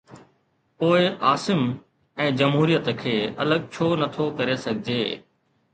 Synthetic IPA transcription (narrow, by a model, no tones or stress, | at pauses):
poːɪʔaːsɪm | ɛ̃ːd͡ʑɐmɦuːɾijət̪kʰeːɐ̰ləɠ̚t͡ɕʰoːnɐt̪ʰokɐɾesɐɡʱɪd͡ʑeː